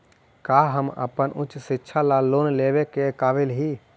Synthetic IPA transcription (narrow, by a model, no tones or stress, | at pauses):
kaːɦəmə̰pənʔʊt͡ʃːsɪtːʃʰalaloːnlebekekaːʋelɦi